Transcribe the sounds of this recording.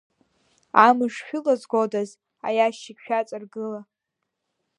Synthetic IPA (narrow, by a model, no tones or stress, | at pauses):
amɨʂħʷᶣʊlazɡʷodaz | a̰jaʃikʲʃᶣat͡sʼɨrɡɨla